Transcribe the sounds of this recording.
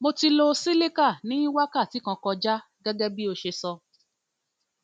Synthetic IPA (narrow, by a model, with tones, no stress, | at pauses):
mo˧ti˧lo˧si˦le˦ka˦˨nĩ˦i˦wa˦ka˦˨ti˨˦kã˧kɔ˧d͡ʒa˦ | ɡɛ˦ɡɛ˦bi˦o˧ʃe˧sɔ˧